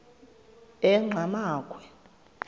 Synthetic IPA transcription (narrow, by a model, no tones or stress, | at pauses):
ɛŋ͡ǁʱamaːkʰʼwɛ